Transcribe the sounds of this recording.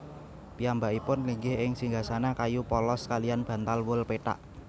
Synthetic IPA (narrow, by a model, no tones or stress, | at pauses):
piambaʔipʊnliŋɡɪɦɪŋsiŋɡasanakajupɔlɔskalianb̥ä̤nt̪alwʊlpeʈa̰ʔ